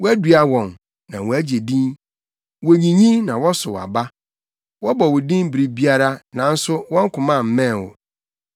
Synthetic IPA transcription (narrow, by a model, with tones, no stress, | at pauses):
wɔ˦æ˦dɥa˦wɔ̃˨n | nã̰˨wɔ˨æ˦d͡ʑe˨dĩ˦n | wo˨ɲĩ˨ɲĩ˦nã˨wɔ˦sʊ˨wa̰˨ba˦ | wɔ˦bɔ˨wʊ˨dĩ˦n˦bɾi˦bi˦a˦ɾa˦nã˨n̩˦sʊ˦wɔ̃˦ŋ˦kʰʊ̃˨mã˦˨m̩˨mɛ̃˦˨wɔ̰˨